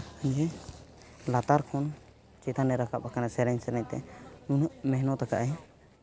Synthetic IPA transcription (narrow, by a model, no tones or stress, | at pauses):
əɲd͡ʒɛ | lat̪aɾkʰɔn | t͡ʃɛt̪ʰanːɛɾakap̚akanasɛɾɛɲsɛɾɛɲt̪ɛ̰nunəʔmɛɦnɔt̪aka̰ʔaj